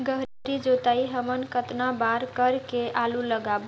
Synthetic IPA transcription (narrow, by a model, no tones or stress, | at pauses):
ɡəɦ | ɾid͡ʒot̪aiɦəmənkət̪nabaɾkəɾkeʔaluləɡab